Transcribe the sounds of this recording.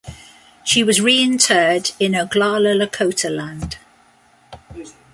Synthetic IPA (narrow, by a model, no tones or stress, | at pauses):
ʃiwɒzɹiːɪ̃ntʰɜːdɪ̃nəɡlɑːlələkʰəʊtʰəlãnd̥